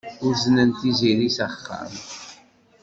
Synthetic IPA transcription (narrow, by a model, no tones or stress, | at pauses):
ʊɾznənt̪izilisəχːə̰m